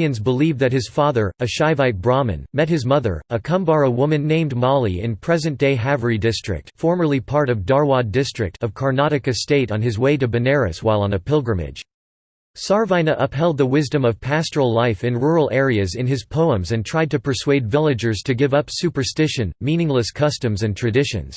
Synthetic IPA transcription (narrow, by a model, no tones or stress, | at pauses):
ɨ̃nzbəlivðɨt̚hɨz̥fɑðə˞ɨʃaɪvaɪt̚b̥ɹɑmɨ̰̃nmɛt̚hɨzmʌðə̰˞əkʰʌ̃mbɑɹəwʊmɨ̃nːẽɪ̃mdmɑlˠiɪ̰̃npʰɹ̥ɛzɨ̃nd̥eɪɦavə˞idɪstɹ̥ɨ̰k̚tfɔɹmə˞lˠipʰɑɹɾʌvdɑɹwɑdɪstɹ̥ɨ̰k̚tʰʌv̥kʰɑɹnɑɾɨkɨsteɪɾ̃n̩ɨzweɪɾɨbɨnɛɹɨ̰swaɪlˠə̃nɨpʰɪlˠɡɹɨ̃mɪ̰d̥ʒ̥ | sɑɹvãɪ̃nɨʔʌpɦɛlˠd̪̚ðəwɪzdɨ̃mʌv̥pʰæstə˞l̩ˠlaɪfɨ̃nɹʊɹl̩ˠɛɹiɨzɨ̃nɨz̥pʰoʊə̃mzɨ̃ntʰɹ̥aɪd̚tɨpʰə˞sweɪdvɪlˠɨd͡ʒə˞z̥tʰɨɡɪvʌpsʉpə˞stɪʃɨ̃nmĩnɪ̃ŋləskʰʌstɨ̃mzɨ̃ntʰɹ̥ɨdɪʃɨ̰̃nz̥